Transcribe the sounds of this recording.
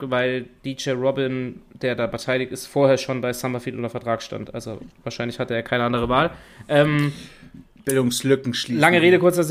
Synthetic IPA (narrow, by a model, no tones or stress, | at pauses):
vaɪld̥iːt͡ʃɛːʁɔbɪnd̥eːɐdaːbəɐtʰaɪlɪç̚tɪstfoːɐheːɐʃoːnbaɪsamafiːtʔʊ̰ntɐfɛɐtʁ̥aːksʃta̰ntʔa̰lzo̰vaːɐʃaɪnlɪçhatəeːɐkʰaɪnəʔandəʁəvaːlʔɛːm | b̥ɪldʊŋslʏkŋ̩ʃlilaŋəʁeːɾəkʊɐt͡sɛɐz